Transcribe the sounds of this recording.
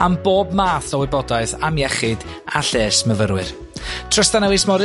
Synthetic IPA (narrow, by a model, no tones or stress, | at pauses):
amboːbmaːθɔwɪbɔdaɨðamjɛχɪd | aɬeːsməvəɾwɨr | tʰr̥əstanawejsmɔɾ